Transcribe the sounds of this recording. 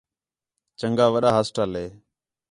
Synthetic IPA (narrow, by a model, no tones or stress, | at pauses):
t͡ʃəŋɡaːʋəɗaːɦəsʈaːleː